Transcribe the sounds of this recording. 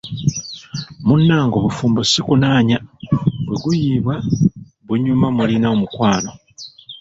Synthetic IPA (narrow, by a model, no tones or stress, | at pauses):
munːaːŋɡo̞βufuːmbosikunaːɲabwe̞ɡujiːβwa | βuɲːumamulinaomukwaːno̞